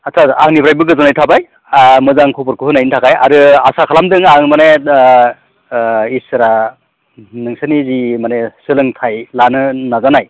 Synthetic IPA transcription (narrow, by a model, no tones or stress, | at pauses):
asʰaaŋnibɾajbɯɡɯzɔnajtʰabaj | mɯzaŋkʰupɔɾkʰɯhɯnajintʰakʰaja̰ɾɯa̰sakʰalamdɯŋaŋmane | isɯɾa | nɯŋsanizimanesɯlɯŋtʰajlanɯnazanaj